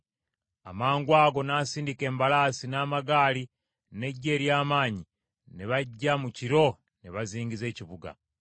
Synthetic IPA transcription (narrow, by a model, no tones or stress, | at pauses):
a̰maːŋɡwaːɡo̞naːsiːndike̞ːmbalaːsinaːmaɡaːli | ne̞ɟːe̞ːɾjaːmaːɲi | neβaɟːamuciɾo̞ | neβaziːŋɡize̞ːciβuɡa̰